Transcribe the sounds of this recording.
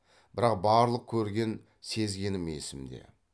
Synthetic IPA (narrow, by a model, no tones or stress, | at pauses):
b̥ɪɾɑqbɑɾlˠəq̚kʲʰɵɾɡʲe̞n | se̞zɡʲe̞nɪme̞̰sɪmd̪e̞̰